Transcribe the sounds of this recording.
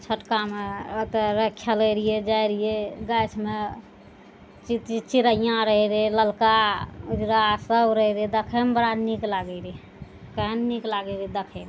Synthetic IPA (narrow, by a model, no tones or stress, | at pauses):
t͡ʃʰəʈkameət̪eɾəkʰːjələɾijed͡ʒajɾijeɡət͡ʃʰme | t͡ʃit̪t͡ʃiɾəijãɾəɦiɾiləlkaud͡ʒɾasəbɾəɦiɾid̪əkʰəmbəɾanniklaɡəɾi | kəɦənːiklaɡəɾid̪əkʰəm